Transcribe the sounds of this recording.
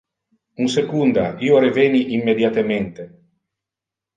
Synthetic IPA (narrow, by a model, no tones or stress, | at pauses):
unsekund̪aiːoɾeveːniʔimːed̪jat̪ement̪e